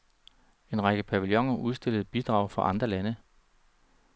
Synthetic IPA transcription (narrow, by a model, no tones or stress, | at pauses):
e̝nʁɑ̈ɡ̥əpʰæʋiljɒ̽ŋɐʔuð̞ˠsd̥e̝ləð̞̩ˠb̥id̥ʁɑ̈ʊ̰fɒʔɑ̈nd̥ʁɐlænə